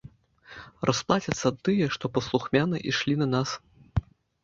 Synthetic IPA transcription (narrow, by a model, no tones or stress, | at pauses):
rʔɐsplˠat͡sʲɐt̪sːɐt̪ːɨjɛʂt̪ɔpɐslˠuxmʲanɨʔiʂlʲinɐnas